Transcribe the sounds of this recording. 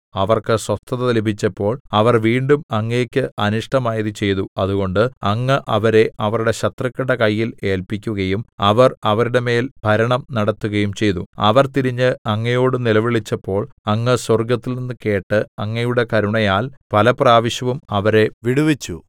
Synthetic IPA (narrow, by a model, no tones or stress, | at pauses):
ɐʋɐrkɨswɐst̪ʰːɐðɐðɐlibʱit͡ɕːɐpːo̞ːɭɐʋɐrʋiːɳɖumɐŋːe̞ːkʲːɨʔɐnuʂʈɐmaːjɐðɨt͡ɕe̞jðuɐðuɣo̞ɳɖɨɐŋːɨʔɐʋɐɾe̞ʔɐʋɐruɽe̞ɕɐt̪rɐkʲːiɽɐkɐjːile̞ːlpikʲːuɣɐjumɐʋɐrɐʋɐɾuɽe̞me̞ːlbʱɐɾɐɳɐmnɐɽɐt̪ːuɣɐjumt͡ɕe̞jðuɐ̰ʋɐrt̪iɾiɲːɨɐŋːɐjo̞ːɽɨnilɐʋiɭit͡ɕːɐpːo̞ːɭɐŋːɨsworɡɐt̪ːilninːɨke̞ːʈːɨɐŋːɐjuɽe̞kɐɾuɳɐjaːlpɐlɐpraːʋɐɕjɐʋumɐʋɐɾe̞ʋiɽuʋit͡ɕːu